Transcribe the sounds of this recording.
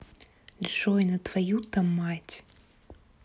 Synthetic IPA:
lʲʐɔjnɐt̪vajut̪amːatʲ

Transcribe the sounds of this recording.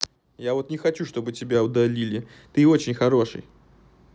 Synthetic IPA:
javot̪nʲɪxɐt͡ɕuʂt̪o̞bɨtʲɪbʲaʊd̪alʲilʲɪ | t̪ɨot͡ɕɪnʲxɐɾoʂɨ̰j

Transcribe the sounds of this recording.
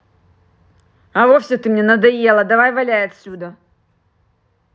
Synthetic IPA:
ɐvofʲsʲɪt̪ɨmnʲenəd̪ɐjelˠəd̪ɐvajvɐlʲæjɐt̪ʲsʲud̪ə

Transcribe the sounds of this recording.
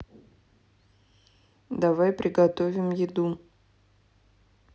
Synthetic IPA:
d̪ɐvajpɾʲɪɡɐt̪ovʲɪmjɪd̪u

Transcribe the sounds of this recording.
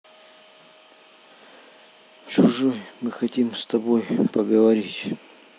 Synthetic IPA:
t͡ɕʊʐɔjmɨxɐtʲimst̪ɐbojpɐɡəvɐɾʲitʲ

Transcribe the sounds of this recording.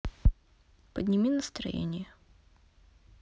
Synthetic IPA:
pəd̪ʲnʲɪmʲinəst̪ɾɐ̰jḛnʲɪjə

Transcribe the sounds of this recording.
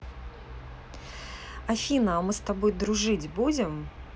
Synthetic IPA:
ɐfʲinɐːmɨst̪ɐbo̞jd̪ɾʊʐɨdʲbud͡zʲɪm

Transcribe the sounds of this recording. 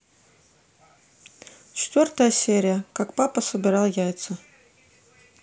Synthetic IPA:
t͡ɕɪ̥t̪vʲort̪əjəsʲeɾʲɪjəkakpapəsəbʲɪɾɑlˠjæjt̪sə

